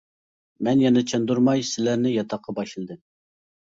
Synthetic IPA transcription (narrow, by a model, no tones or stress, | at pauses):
mɛnjɑnɨt͡ʃʰɛnd̪uɾmɑjsɪlæɾnɪjɑt̪ʰɑqʰːɑbɑʃɨlˠɨd̪ɨm